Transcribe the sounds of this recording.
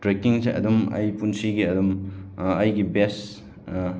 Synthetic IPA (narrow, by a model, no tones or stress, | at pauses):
tɾekiŋseʔɐ̰dumɐ̰jpunsiɡiɐdumɐjɡibes